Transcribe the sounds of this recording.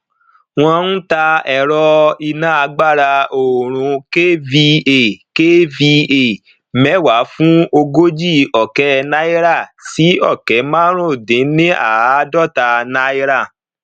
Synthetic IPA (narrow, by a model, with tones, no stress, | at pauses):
w̃ɔ̃˧˦n̩˦ta˧ɛ˧˨ɾɔ˧i˧nã˦a˧ɡ͡ba˦˨ɾa˧o˨ɾ̃ũ˧ke˦vi˧e˨ke˦vi˧e˨ | mɛ˨˦˨wa˨˦fũ˦o˧ɡo˦d͡ʒi˦˨ɔ˨kɛ˨˦na˦i˦ɾa˦˨si˨˦ɔ˦˨kɛ˨˦mãː˦ɾ̃ũ˦˨dẽ˨˦nĩ˦ʔa̰˦˨˦dɔ˦˨ta˧na˦i˦ɾa˦˨